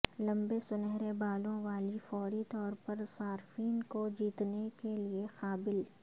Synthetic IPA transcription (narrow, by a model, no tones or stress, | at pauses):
lɐ̃mbesʊnɛɦɾebaːlõʋaːlifɔːɾit̪ɔːɾpɐɾsaːɾfiːnkod͡ʒiːt̪nekeliexaːbɪl